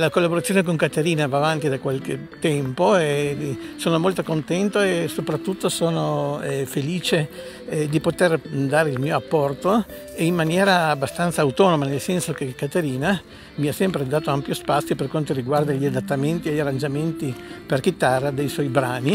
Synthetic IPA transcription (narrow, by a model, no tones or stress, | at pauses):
lakolːaboɾat̪sːjoːnek̬oŋkat̪eɾiːnavaːvant̪id̪akwalket̪ːɛmpoɛsoːnomolt̪okont̪ɛnt̪oesopɾat̪ːut̪ːosoːnoɛfeliːt͡ʃe | d̪ipot̪erd̪aːɾeilmiːoapːɔrt̪o | eimmːanjɛːɾaːbːast̪ant̪saːwt̪ɔnomanelsɛnsok̟ekːat̪eɾiːna | miasːɛmpɾed̪aːt̪oampjospat̪sːjoperkwant̪oɾiɡward̪aʎːiad̪at̪ːament̪ieʎːarːand͡ʒament̪iperkit̪ːarːad̪ejswɔjbɾaːni